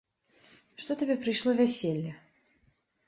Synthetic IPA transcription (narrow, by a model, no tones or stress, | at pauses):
ʂt̪ot̪ʲɐbʲepɾʲɪʂlˠovʲɛsʲelʲjə